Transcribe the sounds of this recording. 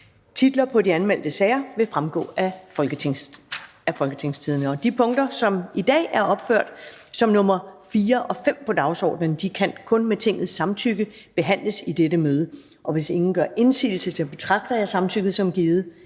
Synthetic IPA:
t͡sʰid̥lɐpʰɒ̽diænmel̰d̥əsɛɪɐʋe̝fʁamɡ̥ɔ̰̽ːælɡ̥ə | æfɒ̽lɡ̥ət͡sʰe̝ŋst͡sʰiðˠnəɒ̽d̥ipʰɔ̽ŋd̥ɐsɒ̽mid̥ɛ̰ːæɐɒ̽b̥føɐ̰d̥sɒ̽mnɔ̽mɐfiːɐʔɒ̽fem̰pʰɒ̽d̥ɑ̈ʊsɒ̰ːd̥nənd̥ikʰænkʰɔ̽nmet͡sʰe̝ŋ̰ð̞̩ˠsːɑ̈mt͡sʰyɡ̥əb̥e̝ɦæn̰ləsid̥eɾəmøːð̞ˠə | ʔɒ̽ʋe̝se̝ŋn̩ɡ̥ɶɐʔe̝nsḭːl̩sət͡sʰe̝b̥e̝t͡sʰʁɑ̈ɡ̥̚d̥ɐjɑ̈ɪsɑ̈mt͡sʰyɡ̥ð̩ˠsɒ̽mɡ̥iːð̩ˠ

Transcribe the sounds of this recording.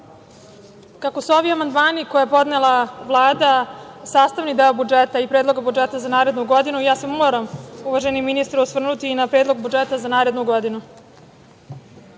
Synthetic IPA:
kako̞suo̞ʋiamand̪maːnikojepo̞d̪nelˠaʋlˠaːd̪asaːst̪aʋnid̪eobud͡ʒet̪aipɾeːd̪lˠo̞ɡabud͡ʒet̪azanaːɾe̞d̪nuɡo̞d̪inujaːsemoːɾamuʋaʒenimːinist̪ɾuosʋr̩nut̪iːnapɾeːd̪lo̞ɡ̚bud͡ʒet̪azanaːɾed̪nuɡo̞d̪inu

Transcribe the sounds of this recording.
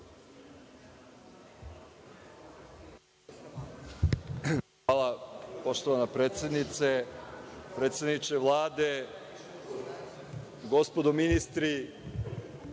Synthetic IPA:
aːlˠapo̞ʃt̪oʋanapɾeːt̪sʲe̞d̪nit̪se | pɾet̪sed̪nit͡ʃeʋlˠaːd̪e̞ | ɡo̞spo̞d̪ominist̪ɾi

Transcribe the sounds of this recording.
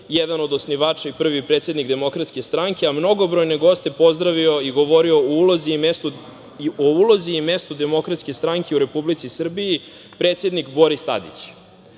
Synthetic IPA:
jɛd̪anod̪o̞sniʋaːt͡ʂaipr̩ʋipɾet̪se̞d̪nikd̪e̞mo̞kɾat̪ske̞st̪ɾaŋkeamno̞ɡo̞bɾo̞jneɡo̞st̪e̞po̞zd̪ɾaʋio̞iɡo̞ʋo̞ɾio̞oulozimesu | ouloziːme̞st̪ud̪e̞mo̞kɾat̪ske̞st̪ɾaŋkʰeuɾe̞publit̪sisr̩biji | pɾe̞ːt̪se̞d̪nikbo̞ɾist̪a̰d̪ḭt͡ɕ

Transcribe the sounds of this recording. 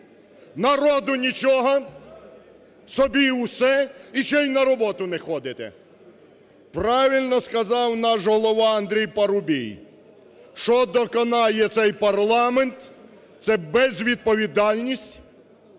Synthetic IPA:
nɐɾɔd̪ʊnʲit͡ʃɔɦɔ | sɔbʲiwsɛiʃɛjnɐɾɔbɔt̪ʊnɛxɔd̪ɪt̪ɛ̰ | pɾɑʋʲilʲnɔskɐzɑwnɑʃɦɔlˠɔʋɑɐnd̪ɾʲijpɐɾʊbʲḭj | ʃɔd̪ɔkɔnɑjɛt̪sɛjpɐrlˠɑment̪ | t̪sɛbɛzʋʲid̪̚pɔʋʲid̪ɑlʲnʲisʲtʲ

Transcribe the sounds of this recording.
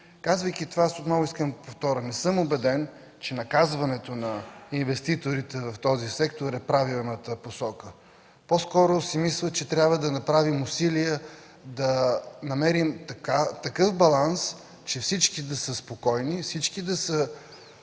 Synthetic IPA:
kazvəjk̟it̪ovaasot̪nɔvʊiskəmpoft̪ɔɾənɛsɤmobɛd̪ɛn | t͡ʃɛnɐkazvɐnɛt̪onɐinvɛst̪it̪oɾit̪ɛvɐft̪ɔzisɛkt̪oɾɛpɾavilˠnət̪əposɔkə | poskɔɾoʊsimislˠət͡ʃɛt̪ɾʲabvəd̪ɐnɐpɾavimʊsiliɛ | d̪ɐnɐmɛɾimt̪kat̪ɐkɤfbɐlˠans | t͡ʃɛfsit͡ʃkid̪ɐsəspokɔjnifsit͡ʃkid̪ɐsə

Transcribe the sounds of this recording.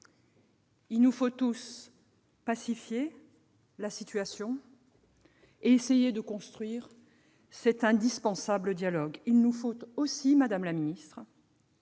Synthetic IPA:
ilnufot̪us | pasifje | lasit̪ɥasjɔ̃ | eesejed̪əkɔ̃st̪χɥiʁ | sɛt̪ɛ̃d̪ispɑ̃sabləd̪jalɔɡilnufot̪osimad̪amlaminist̪χ

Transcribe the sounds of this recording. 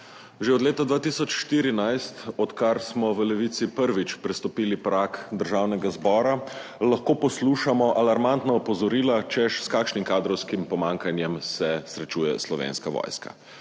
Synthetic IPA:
ʒeɔd̪leːt̪ad̪ʋaːt̪iːsɔt͡ʃʃt̪iːɾinajst̪ɔt̪kaɾsmɔʋəlɛʋit̪sipəɾʋit͡ʃpɾɛst̪ɔpiːlipɾaːkd̪əɾʒaːwnɛɡazbɔːɾalaxkoːpɔsluːʃamɔʔalaɾmant̪naɔpɔzɔɾiːlat͡ʃɛʃskaːkʃnimkaːd̪ɾɔwskimpɔmaːŋkanjɛmsɛsɾɛt͡ʃuːjɛslɔʋḛːnskaʋɔ̰ːjska̰

